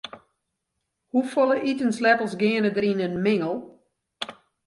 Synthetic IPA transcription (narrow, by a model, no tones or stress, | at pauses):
hufɔlˠəʔitənslɛtəlˠsɡɪənədəɾinənmɪŋəlˠ